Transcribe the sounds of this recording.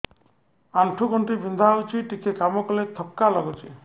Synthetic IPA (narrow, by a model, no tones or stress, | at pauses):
aɳʈʰukɔɳʈibʱind̪ʱawt͡ʃʰiʈikekamɔkɔlet̪ʰɔkːalɔɡut͡ʃʰi